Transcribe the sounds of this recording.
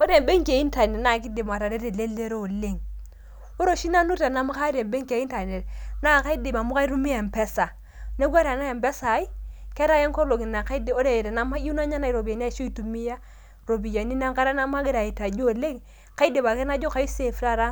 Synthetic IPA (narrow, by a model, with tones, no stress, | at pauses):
o˦ɾe˨mbe˦ŋke˨˦i˦nta˨ne˨na˦˨k̬i˦de˨ma˨ta˨de˦ɾe˨le˦le˦ɾo˦o˨le˦˨ŋ | o˦ɾo˦˨ʃi˦na˦nu˦ta˨na˦m˦ka˦ɾe˨mbe˦ŋke˨i˦nta˨ne˨tna˦˨ka˦i˦de˨ma˨mu˦ka˦i˦ɾu˦mi˦a˨mpɛ˦sa˨ | ne˦ɡʷwa˦ɾa˨na˦je˨mbɛ˦sa˨˦i˦ke˦ɾa˦je˦ŋko˦lo˨ɡi˨na˨ka˦i˦de˨o˦ɾe˦˨ɾe˨na˦ma˦u˦na˦ɲa˦na˨i˨ɾo˨bi˨a˨n˦a˦˨˦ʃo˦i˦tu˨mi˦ja˦ | ɾo˨bi˨ja˨ni˦na˦ŋka˦ɾa˦na˦ma˦ɡi˦ɾa˨i˨ta˨d͡ʒo˦˨le˦ŋ | ka˦i˦de˨ba˨ke˦na˦d͡ʒo˦ka˦i˦se˨fɾa˦ɾa˦